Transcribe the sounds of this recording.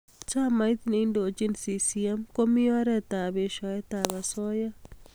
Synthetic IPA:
t͡ʃa˦ma˨jt̪ini˨˦ndo˨t͡ʃi˦nsi˨siɛ˦mko˦mi˦ɔ˦ɾɛ˦t̪a˨be˨ʃɔ˨ɛ˦t̪a˨βa˨sɔ˦ja˦

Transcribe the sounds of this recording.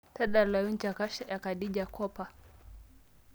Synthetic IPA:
ta˦ɗa˨la˨ju˦nt͡ʃa˨ka˦ʃa˦ja˨ka˨ɗi˦d͡ʒa˨kʰɔ˦pa˨

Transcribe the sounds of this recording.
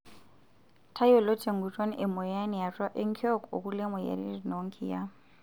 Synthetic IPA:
tʰa˦jɔ˦lɔ˦tʰʼe˨ŋ̩˨ɡu˨tʼo˦n˦ʔɪ˨mɔ˨ja˦nɛ˨ja˨tʼwa˦ʔɪ˦ŋ̩˦kʰɔ˦ko̰˨ku˦le˦mɔ˨ja̰˨ɾḭ˦ri˨no˦ŋ̩˦kʰi˨ja˦

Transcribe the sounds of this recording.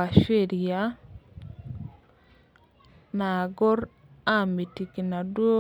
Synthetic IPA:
a˨ʃe˦ɾi˨ja˦ | naː˨ɡɔ˦ɾ | a˦˨mi˨ti˨ki˨na˨dwo˦

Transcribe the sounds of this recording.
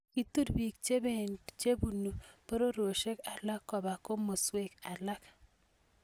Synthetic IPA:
ki˦tu˦ɾbi˨k̚t͡ʃe˦be˦˨nt͡ʃe˦bu˨nu˨po˦ɾo˦ɾo˨ʃe˦ka˨la˦kːɔ˨ba˨ko˦mo˨swe˦ka˨la˦k

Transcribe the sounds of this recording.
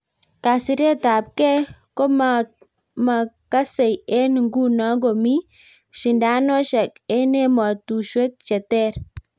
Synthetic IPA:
ka˨si˨ɾe˦ta˨p̚kɛ˦ko˦m | ma˨ka˦se˨je˦n˨ŋɡu˦na˨˦ɡo˨mi˦ | ʃi˨nda˨˦nɔ˦ʃɛ˨ke˦ne˦ma˨tu˨ʃwe˦k̚t͡ʃɛ˨tɛ˦˨ɾ

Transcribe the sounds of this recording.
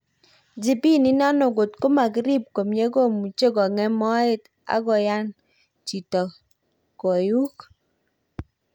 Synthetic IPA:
d͡ʒi˦pi˦ni˦na˦nɔ˨ɡo˨tko˦ma˨kɪ˦ɾi˦˨p̚ko˨mje˦ko˦˨mu˨t͡ʃe˦kɔ˨ŋɛ˦mɔ˦ɪ˦t | a̰˦kɔ˨ja˦n | t͡ʃi˨tɔ˨ | ko˨ju˦k

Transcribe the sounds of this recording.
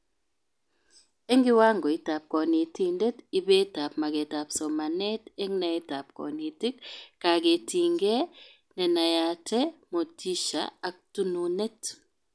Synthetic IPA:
e˦ŋɡɪ˦wa˦ŋɡo˨i˨ta˨p̚kɔ˨ni˨ti˦nde˦ti˨be˦ta˨p̚ma˨ɡe˨tapso˨ma˨nɛ˦te˦ŋnɛ˨ɛ˦ta˨p̚kɔ̰˨ni˨ti˦kkːa˨ɡe˨ti˨ŋɡe˦ | nɛ˨na˨ja˨tʰɛmo˨tʰi˦ʃa̰ː˨k̚tu˦nu˨ne˦t

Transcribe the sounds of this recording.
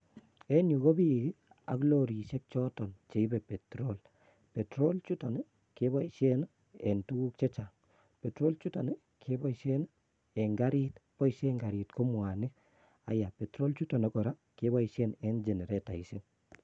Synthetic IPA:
ɛ˦nu˨ɣo˦bi˦ɡi˦ | a̰˨klo˦ɾi˨ʃɛ˦k̚t͡ʃɔ˦tɔ˨nt͡ʃe˨i˦bɛ˨pe˨tɾo˦l | pɛ˨tɾo˦lt͡ʃu˦ta˨n˦ | ke˦βa˦iʃɛ˦n | ɛ˨ntu˦ɡu˦k̚t͡ʃe˦t͡ʃa˨ŋ | pɛ˨tɾo˦lt͡ʃu˦ta˨n | kʰe˦ba˦iʃɛ˦n | ɛ˨ŋɡa˦ɾi˦tpɔ˦˨ʃɛŋɡa˨ɾi˨tko˦mwa˨nɪ˦ | a̰˨ja˨pɛ˨tɾo˦lt͡ʃu˦tɔ˨na˦kɔ˨ɾa˦ke˦βa˦iʃɛ˦nɛ˦nd͡ʒe˨ne˨ɾeta˨i˨se˦n

